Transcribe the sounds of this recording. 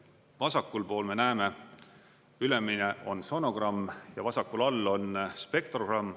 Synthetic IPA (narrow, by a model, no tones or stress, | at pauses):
vɑsɑkːˑulpo̞ːlme̞næeme̞ | yle̞mːineʔo̞nso̞no̞ɡ̥rɑmːjɑvɑsɑkːulɑlːo̞nspe̞kt̪roɡ̥rɑmː